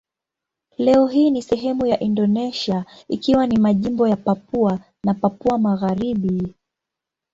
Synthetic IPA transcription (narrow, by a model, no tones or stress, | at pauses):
lɛɔɦiːnisɛɦɛmujaʔindɔnɛʃia | ikiwanimaʄimbɔjapap̚ua | napapuamaɣaɾiɓi